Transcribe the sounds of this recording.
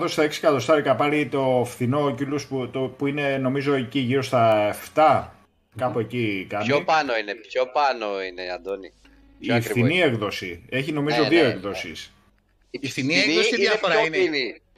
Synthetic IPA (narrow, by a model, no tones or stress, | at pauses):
ðo̞st̪ɐeksi̥kɐt̪o̞st̪ɐɾikɐpɐɾit̪o̞fθino̞cilusput̪opuine̞no̞mizo̞eciʝiɾo̞st̪ɐeft̪ɐ | kɐpoecikɐnopɐnoinepçopɐnoineiɐnd̪oni | iefθiniekðo̞sie̞çino̞mizo̞ðioekðo̞sḭs | finikðɐfoɾinni